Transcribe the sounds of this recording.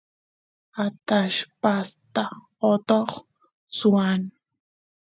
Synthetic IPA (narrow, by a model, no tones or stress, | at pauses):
at̪aʃpast̪a | ot̪oχ | suan